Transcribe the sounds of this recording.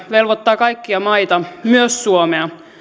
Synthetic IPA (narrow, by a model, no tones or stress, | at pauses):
ʋelʋot̪ːɑːkɑjkːiɑmɑit̪ɑmyøsːuomeɑ